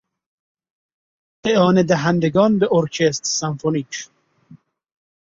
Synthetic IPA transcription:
ʔeʔɒːned̪æɦænd̪eɡɒːnbeʔoɾcʰest̪sænfonit͡ʃʰ

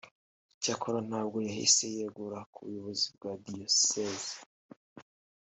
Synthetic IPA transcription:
cakʰoɾan̥haːb̚ɡo̞jaɦḭse̞jeɡuɾakuβujo̞βo̞zib̚ɡaːdijosezi

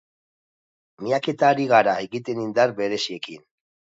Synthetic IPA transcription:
miake̞t̪aːɾiɣ̞aɾaeɣit̪e̞nind̪arbe̞ɾe̞sie̞kin

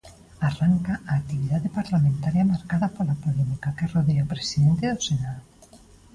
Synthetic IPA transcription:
araŋkaaːk̚t̪iβiðaðepaɾlamẽnt̪aɾjamaɾkaðapolapolemikakeroðeopɾesiðent̪eðosenaðo

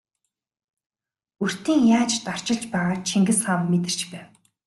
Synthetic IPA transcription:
ɵr̥t̪iːŋjaːt͡ɕt̪ar̥t͡ɕɪ̆ɮt͡ɕpæːʁaːt͡ɕʰiŋɡɘ̆sχamːet̪ɘ̆r̥t͡ɕpæːw

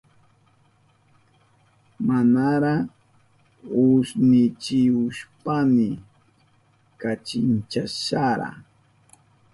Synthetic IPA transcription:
manaɾa | ʊsnɪt͡ʃɪʊʃpamɪ | kat͡ʃɪnt͡ʃaʃaɾa̰

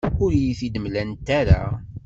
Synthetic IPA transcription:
ʊɾijiθid̪əmlænt̪ːæɾa̰

